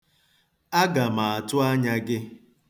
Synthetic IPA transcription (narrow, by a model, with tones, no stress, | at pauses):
a˦ɡa˨ma˨a˨tʊ˦a˦ɲa˦ɡɪ˦